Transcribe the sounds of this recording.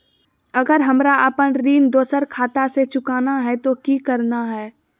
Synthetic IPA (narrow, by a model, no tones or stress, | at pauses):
ɐɡəɾɦɐmɾaəpənɾiːnd̪oːsəɾkʰaːt̪aset͡ʃʊkaːnaɦɛt̪okikəɾnaɦɛː